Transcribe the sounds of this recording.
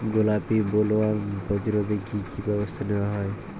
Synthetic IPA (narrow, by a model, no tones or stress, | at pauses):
ɡolapibolɔwabɔd͡ʒiɾɔd̪ekʰikʰibɔbɔst̪ʰanewaɦɔj